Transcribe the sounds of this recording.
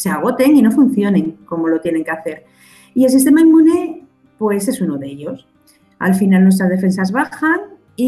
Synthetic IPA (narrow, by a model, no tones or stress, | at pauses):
seaɣ̞o̞t̪e̞ŋino̞fun̟θjo̞nẽ̞ŋko̞mo̞lo̞t̪jene̞ŋkeaθe̞ɾ | ie̞ls̬ist̪e̞maimːũne | pwe̞se̞suno̞ðe̞ʎo̞s | a̰lfinalnwest̪ɾazðefe̞nsazβaxaŋ | i